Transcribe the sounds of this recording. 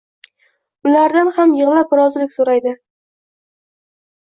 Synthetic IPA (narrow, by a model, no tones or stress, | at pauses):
ʊlaɾd̪anhamjɨʁlˠapɾɒzlɪkʲsoɾajd̪ɪ